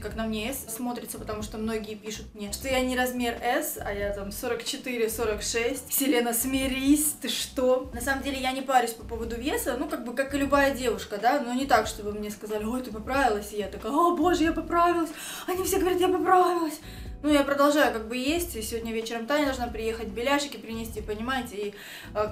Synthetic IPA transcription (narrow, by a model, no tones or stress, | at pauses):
kaknɐmnʲeessmo̞t̪ɾʲɪt̪səpət̪ɐmuʂt̪omno̞ɡʲɪəpʲiʂʊt̪̚mnʲeʂt̪ojanʲɪɾɐzmʲe̞rɛsɐ̰jat̪amso̞ɾəkt͡ɕɪt̪ɨɾʲɪso̞ɾəkʂɛsʲtʲsʲɪlʲenəsmʲɪɾʲisʲt̪ɨʂt̪o̞nɐsaməmdʲelʲɪjanʲɪpaɾʲʊsʲpɐpo̞vəd̪ʊvʲesənukaɡ̚bɨkakɨlʲʊbajədʲe̞vʊʂkəd̪anonʲɪt̪akʂt̪o̞bɨmnʲeskɐzalʲɪojt̪ɨpɐpɾavʲɪlˠəsʲjat̪ɐkɐabo̞ʐɨjapɐpɾavʲɪlˠəsʲ | ɐnʲifsʲeɡəvɐɾʲit̪japɐpɾavʲɪlˠəsʲ | nujapɾəd̪ɐlˠʐajʊkaɡ̚bɨjesʲtʲsʲɪvo̞dʲnʲəvʲet͡ɕɪɾəmt̪anʲɪd̪ɐʐnapɾʲɪje̞xət̚ʲbʲɪlʲaʂɪkʲɪpɾʲɪnʲɪsʲtʲipənʲɪmajɪtʲɪi